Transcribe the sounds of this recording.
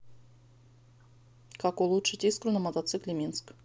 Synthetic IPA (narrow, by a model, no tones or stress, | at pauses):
kakulˠut͡ʂɨtʲiskɾunɐmɔt̪ɐt̪sɨklʲimʲinsk